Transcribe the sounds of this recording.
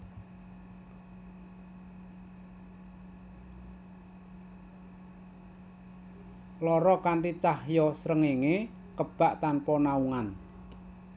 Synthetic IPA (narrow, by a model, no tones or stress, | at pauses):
lɔɾɔkaɳʈit͡ʃahjɔsɾəŋeŋe | kəb̥a̤ʔt̪anpɔnauŋan